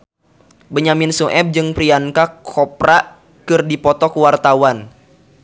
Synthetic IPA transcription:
bəɲaminsuʔɛb̚d͡ʒɨŋpɾiankakʰɔpɾa | kɨrdipɔt̪ɔkəwart̪awan

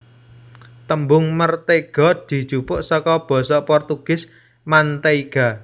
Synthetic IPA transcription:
t̪əmbʊŋmərt̪eɡ̥ɔ̤d̪̥i̤d̥ʒ̥upʊʔsɔkɔb̥ɔ̤sɔpɔrt̪uɡ̥ɪ̤s | mant̪eiɡ̥a̤

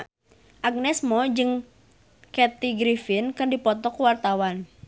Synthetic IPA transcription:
ʔaɡ̚nɛsmɔd͡ʒɨŋ | kɛt̪iɡɾifɪnkɨndipɔt̪ɔkuwart̪awan

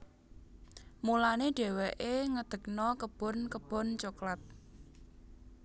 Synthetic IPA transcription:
mulaneɖ̥ɛ̤wɛʔeŋəd̪̥ə̤k̚nɔkəb̥ɔ̤nkəb̥ɔ̤nt͡ʃoklat̪̚

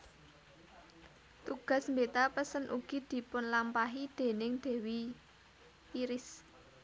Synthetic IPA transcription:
t̪uɡ̥a̤smbet̪apəsənʔṵɡ̥i̤d̪̥i̤pʊnlampaɦid̪̥e̤nɪŋd̪̥ɛ̤wi | iɾɪs

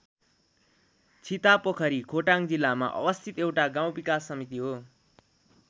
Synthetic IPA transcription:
t͡sʰit̪apokʰʌɾikʰoʈaŋd͡zilːama̰ʔʌ̰bʌst̪ʰit̪ewʈaɡãw̃bikasːʌmit̪iɦo

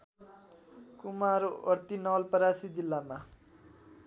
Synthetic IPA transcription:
kumaɾoʌɾt̪inʌlpʌɾasid͡zilːama

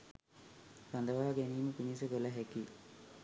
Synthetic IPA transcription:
sand̪əʋaːɡeniːməpinis̬əɡolaɦeki

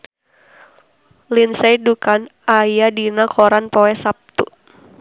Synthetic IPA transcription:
linsajdukanajadinakʰɔɾanpɔwɛsap̚t̪ṵ

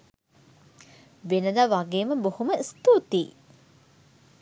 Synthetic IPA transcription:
ʋenəd̪aʋaɡeːməbohuməist̪ut̪iː

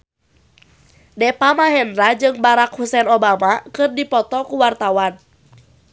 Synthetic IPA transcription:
dɛpamaɦɛndɾad͡ʒɨŋbaɾak̚husɛnɔbamakɨrdipɔt̪ɔkuwart̪awan

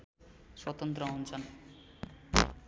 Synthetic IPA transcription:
ʃɔt̪ont̪ɾoɦont͡ɕan

